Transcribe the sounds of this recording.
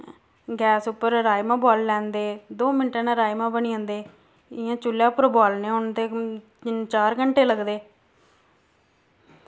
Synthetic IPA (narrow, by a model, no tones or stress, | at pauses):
ɡɛːsʊpːəɾɾaːjmãːbɔːlːɛ̃ːnd̪eːd̪oːmɪnʈeːnãːɾaːjmãːbəniːõːnd̪eː | ɪjãːt͡ʃʊlːjaːpəɾbaːlneːʊnt̪eː | t͡ʃaːɾɡəɳʈeːləɡd̪eː